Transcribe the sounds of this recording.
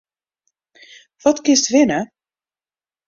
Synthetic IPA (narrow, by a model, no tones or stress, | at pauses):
ʋɔtkɪnstʋɪnə